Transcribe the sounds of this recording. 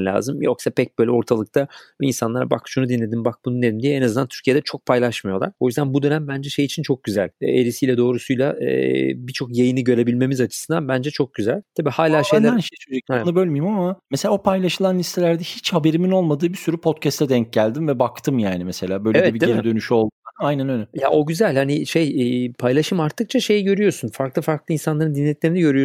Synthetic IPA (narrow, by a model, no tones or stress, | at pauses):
lʲa̰ːzɯmjo̞ksapʰɛc̚b̥ø̞ːjlʲɛo̞ɾt̪ʰalˠɯk̚t̪ʰaḭnsanlˠaɾaba̰kʃunud̪inlʲe̞d̪imbak̚bununed̪imd̪ijɛenaznd̪ant̪ʰyɾcʰijed̪ɛt͡ʃʰo̞k̚pʰajlˠaʃmajo̞lˠaɾojyzd̪ænbud̪ø̞næmbænd͡ʒɛʃe̞jit͡ʃʰint͡ʃʰo̞k̚ɟyzælʲeɾisijlʲɛd̪o̞ːɾusujlˠa̰ | bit͡ʃʰo̞kjejiniɟø̞ɾe̞bilʲme̞mizat͡ʃʰɯ̥sɯnd̪anbænd͡ʒɛt͡ʃʰo̞k̚ɟyzælʲt̪ʰabiːhaːlʲaːʃejʲæɾnʃt͡ʃød͡ʒɛnubø̞lʲmijimamamese̞lʲaːopʰajlˠaʃɯlˠanlʲist̪ʰe̞lʲæɾd̪ɛhit͡ʃhabe̞ɾimino̞lˠmad̪ɯːbisyɾypʰo̞t̪cʰɛst̪ʰɛd̪ɛɲc̚ɟælʲd̪imvɛbakt̪ʰɯmjaːnimese̞lʲaːbø̞jleevɛɛbideeɾd̪ø̞nyʃyo̞lˠuaajnænønʲɛjaʔo̞ɟyzælʲhaniʃejːpʰajlˠaʃɯmaɾt̪ʰːɯk̚t͡ʃʰaʃe̞jiɟø̞ɾyjo̞sunfaɾklˠɯfaɾklˠɯinsanlˠaɾɯnd̪inːʲɛt̪lʲeminiɟø̞ɾyjo